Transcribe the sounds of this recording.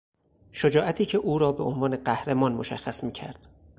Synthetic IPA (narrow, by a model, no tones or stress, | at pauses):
ʃod͡ʒɒːʔæt̪ʰiːcʰe̞ʔuːɾɒːbe̞ʔonvɒːne̞ɢæhɾemɒːnmoʃæ̰xːæsmiːcʰæ̰ɾd̪̥